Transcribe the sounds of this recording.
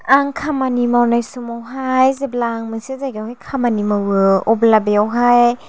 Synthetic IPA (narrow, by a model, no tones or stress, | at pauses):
aŋkʰamanimawnajsumawɦajzeblaŋmɯŋsezajɡawɦajkʰamanimawɯɔblabeawɦaj